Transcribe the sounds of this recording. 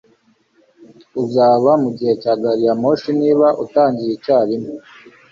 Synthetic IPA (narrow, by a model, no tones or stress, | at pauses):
uzaːβamuɟihe̞caːɡaɾijamo̞ʃiniːβaʔutaːɲɟijicaːɾimo